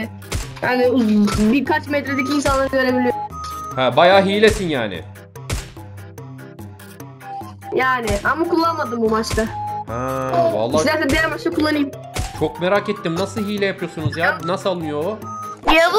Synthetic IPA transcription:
jaːnubiɾkʰat͡ʃmɛt̪ɾed̪eciːns̬anlˠaɾɯɟø̞ɾe̞bilʲijoɾmhɛbajaːɦijlʲesinjaːnɪ̰ | jaːnɪʔamakulˠːanmad̪ɯmbumat͡ʃt̪ahɛva̰lˠːazalʲt̪ʰɛnd̪ijæɾmat͡ʃt̪akʰulˠːanɯjm | t͡ʃʰo̞kmeɾaːket̪ʰːimnasɯɦiːlʲɛjapʰɯjo̞sunuzjaːnasɯalˠɯnɯjo̞ia

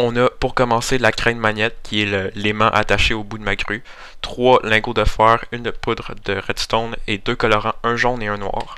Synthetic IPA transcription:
ɔ̃napuʁkɔmɑ̃selakʁɛ̃nmaɲɛt̪̚kʲʰiɛləlemɑ̰̃ʔa̰t̪aʃeobud̪əmaɡʁy | t̪χwalɛ̃ɡod̪əfɛːʁynpud̪ʁəd̪əʁɛd̪st̪ɔned̪økɔlɔʁɑ̃ɛ̃ʒɔʁneœ̃nwɑ̰ːʁ

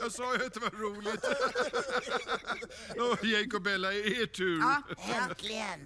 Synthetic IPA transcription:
jɑsɑːjat̪̚d̪ɛvaɾuːlɪt̪ | ojɛŋkʊbɛlːaɪeːʈʰʉ̟ːɛlɪən

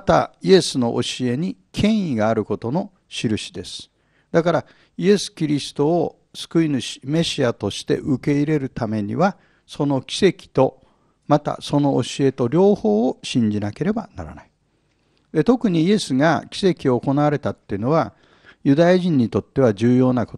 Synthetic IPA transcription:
at̪a̰ie̞sɨno̞̰ʔoɕie̞ɲ̟ikʰẽ̞ɰ̃iɡaːɾɯ̟ko̞t̪o̞no̞ | ɕiɾɯ̟ɕi̥d̪e̞sɨ̥ | d̪akaɾa | ie̞sɨ̥kʲiɾʲisɨ̥t̪o̞ː | sɨ̥kɯ̟inɯɕi̥me̞ɕiat̪o̞ɕi̥t̪e̞̰ʔɯke̞iɾe̞ɾɯ̟t̪ame̞ɲ̟ḭβa | so̞no̞kʲi̥se̞kʲi̥t̪o̞ | mat̪a̰so̞no̞ʔːɕie̞t̪o̞ɾʲo̞ːho̞ːɕĩɲ̟d͡ʑinake̞ɾe̞bana̰ɾa̰nai | d̪e̞t̪o̞kɯ̟ɲ̟iie̞sɨɡa̰kʲi̥se̞kʲio̞ːko̞naβaɾe̞t̪at̪ːeiɯ̟no̞βa | jɯ̟d̪ajaʑĩɲ̟ːit̪o̞t̪ːe̞βad͡ʑɨːjo̞ːnakot

